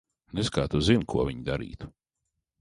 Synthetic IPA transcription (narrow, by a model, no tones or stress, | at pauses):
neskaːt̪uzinkʰuɔvʲiɲd̪aɾḭːt̪u̥